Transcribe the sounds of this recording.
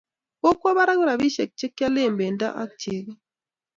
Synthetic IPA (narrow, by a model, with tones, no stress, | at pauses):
o˦kwɔ˦βa˦ɾa˦ŋ˦ɾa˨bi˦ʃɛ˨k̚t͡ʃe˦kːa˦le˦˨mbe˨nda̰˦ʔa̰˦k̚te˨ɡ